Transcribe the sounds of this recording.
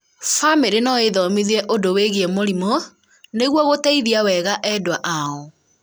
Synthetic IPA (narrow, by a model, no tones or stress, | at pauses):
fameɾenɔeðɔmiðiɛʔodoweɣiɛmoɾimo | neɣwɔɣotaiðiawɛɣaʔɛdwaʔaɔ